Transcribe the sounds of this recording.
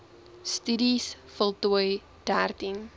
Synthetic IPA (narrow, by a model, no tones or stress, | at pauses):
styɾisfəlˠtuəj | d̥ærtiŋ